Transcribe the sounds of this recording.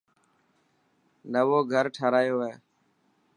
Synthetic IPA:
nəʋoːɡʱəɾʈʰaːɾaːjoːeː

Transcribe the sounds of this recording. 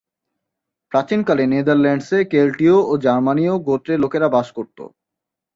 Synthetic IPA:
pɾat͡ɕinkalened̪aɾlɛɳɖsekelʈiood͡ʑaɾmanioɡoʈɾelokeɾabaʃkoɾt̪o̰

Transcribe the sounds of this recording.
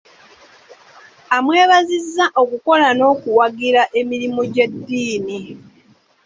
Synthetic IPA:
amwe̞ːβazizːaʔo̞kuko̞lano̞ːkuwaɡiɾaʔe̞miɾimoɟedːiːni

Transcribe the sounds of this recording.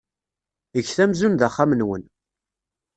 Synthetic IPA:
əçθæmzunðaχːamənwən

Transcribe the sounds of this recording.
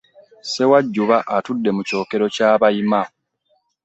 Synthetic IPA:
se̞waɟːuβaʔatudːe̞muco̞ːke̞ɾo̞caːβajima

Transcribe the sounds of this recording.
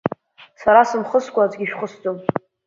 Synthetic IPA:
saɾasɨmχəskʷʰʼad͡zɡʲiʃᶣχəsd͡zʼom

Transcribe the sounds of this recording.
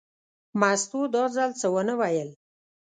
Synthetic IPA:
mast̪od̪ɑzalt͡səwənəwajəl

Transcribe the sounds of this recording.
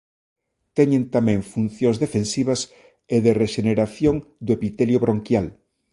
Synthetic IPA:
t̪ɛɲẽnt̪amɛ̃ŋfun̟θjõŋzðefensiβɐs | eðereʃeneɾaθjoŋd̪ʊepit̪ɛljoβɾoŋkjal

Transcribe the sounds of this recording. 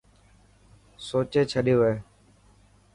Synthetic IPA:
soːt͡ʃeːt͡ʃʰəɗijoːʋeː

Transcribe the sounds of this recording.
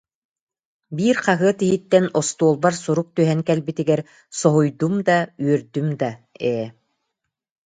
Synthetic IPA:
biːɾqaɦɯɐt̪iɦit̪ːɛnɔst̪uɔːlˠbaɾsuɾuk̚t̪yɦɛŋkɛlbit̪iɡɛɾ | sɔɦujd̪umd̪ayœɾd̪ymd̪aɛː

